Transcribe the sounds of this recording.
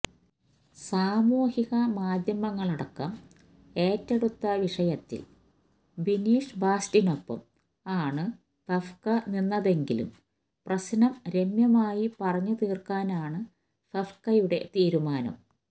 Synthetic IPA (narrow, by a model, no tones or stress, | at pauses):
saːmuːhiɣɐmaːd̪ʱjɐmɐŋːɐɭɐɽɐkːɐm | e̞ːtːeɽut̪ːɐʋiʂɐjɐt̪ːḭl | ʋiniːʂbaːstino̞pːɐ̰m | aːɳɨ | t̪ɐfkɐninːɐðe̞ŋɡilṵm | prɐsinɐmɾe̞mjɐmaːjipɐrɐɲːut̪iːrkaːnaːɳɨ | t̪ɐfkɐjuɽe̞̰t̪iːɾumaːnɐ̰m